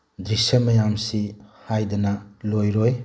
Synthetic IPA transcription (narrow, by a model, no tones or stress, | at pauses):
d̪ɾisɐmɐjamsihajdɐnɐlojɾoj